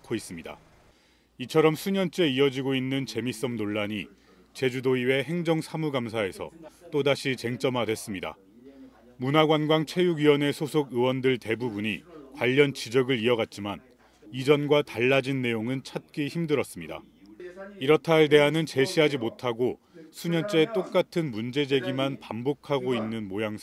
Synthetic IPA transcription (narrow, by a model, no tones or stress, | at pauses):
kʰois͈ɯmɲida̰ | it͡ɕʰʌɾʌmsʰuɲʌnt͡ɕ͈e̞iʌd͡ʑiɡoinːɯnt͡ɕe̞mis͈ʌmnoɭːaɲi | t͡ɕe̞d͡ʑudoiwe̞ɦe̞ŋd͡ʑʌŋsʰamuɡamsʰae̞sʰʌ̰t͈odaɕʰit͡ɕe̞ŋt͡ɕ͈ʌmɦadwes͈ɯmɲida̰ | munaɡwanɡwaŋt͡ɕʰwe̞juɡɥiwʌne̞sʰosʰoɡɯwʌndɯɭte̞bubuɲikwaʎːʌnt͡ɕid͡ʑʌɡɯɾiʌɡat̚t͡ɕ͈iman | id͡ʑʌnɡwataɭːad͡ʑinːe̞joŋɯnt͡ɕʰat̚k͈içimdɯɾʌs͈ɯmɲida̰ | iɾʌtʰaɭde̞ɦanɯnt͡ɕe̞ɕʰiɦad͡ʑimotʰaɡo | sʰuɲʌnt͡ɕ͈e̞t͈ok̚k͈atʰɯnmund͡ʑe̞d͡ʑe̞ɡimanpambokʰaɡoinːɯnmojaŋs